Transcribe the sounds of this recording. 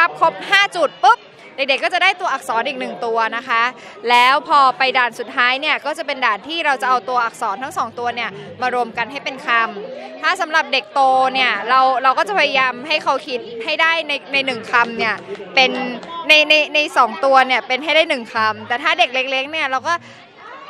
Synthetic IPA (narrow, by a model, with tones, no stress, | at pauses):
a˦˥p̚kʰo˦˥p̚haː˥˩t͡ɕu˨˩t̪̚pɯ˦˥p̚ | de˨˩k̚de˨˩kːɔː˥˩t͡ɕa˨˩daː˥˩jt̪u˧ɐʔa˨˩k̚sɔː˩˦nʔiː˨˩k̚nɯ˨˩ŋt̪u˧ɐna˦˥kʰa˦˥ | lɛː˦˥wpʰɔː˧pa˧jdaː˨˩nsu˨˩t̪̚tʰːaː˦˥jni˥˩ɐkɔː˥˩t͡ɕa˨˩pe˧ndaː˨˩nt̪ʰiː˥˩ɾa˧wt͡ɕa˨˩ʔa˧wt̪u˧ɐʔa˨˩k̚sɔː˩˦nt̪ʰa˦˥ŋsɔː˩˦ŋt̪u˧ɐni˥˩ɐmaː˧ɾu˧əmka˧nha˥˩jpe˧nkʰa˧mt̪ʰaː˥˩sa˩˦mɾa˨˩p̚de˨˩k̚t̪oː˧ni˥˩ɐɾa˧wɾa˧wkɔː˥˩t͡ɕa˨˩pʰa˧ja˧jaː˧mɦa˥˩jkʰa˦˥wkʰi˦˥t̪̚ha˥˩jdaː˥˩jna˧jna˧jnɯ˨˩ŋkʰa˧mni˥˩ɐpe˧nːa˧jna˧jna˧jsɔː˩˦ŋt̪u˧ɐni˥˩ɐpe˧nha˥˩jdaː˥˩jnɯ˨˩ŋkʰa˧mt̪ɛː˨˩t̪ʰaː˥˩de˨˩k̚le˦˥k̚le˦˥ŋ̚ni˥˩ɐɾa˧wkɔː˥˩